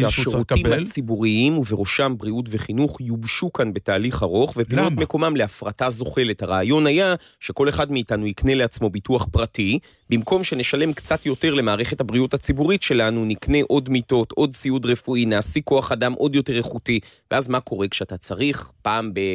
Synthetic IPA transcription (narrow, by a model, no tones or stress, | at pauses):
ʃeaʃʃeʁutimat͡sibuʁiimuveʁoʃambʁiut̬ve̞χinuχjubʃukanbe̞taːliχaʁo̞χve̞potmeko̞mamle̞afʁatazo̞χe̞lethaʁaːjo̞nhaja | ʃeko̞le̞χadmiːtanujikne̞le̞at͡smo̞bituaχpʁati | bimko̞mʃe̞ne̞ʃale̞mkt͡satjo̞te̞ʁle̞maːʁe̞χe̞thabʁiuthat͡sibuʁitʃe̞lanunikne̞ʔo̞dmito̞tʔo̞d̚t͡siudʁe̞fuinaːsiko̞aχadamʔo̞djo̞te̞ʁeχutiveʔazmako̞ʁe̞kʃeatat͡saʁiχpaːmbe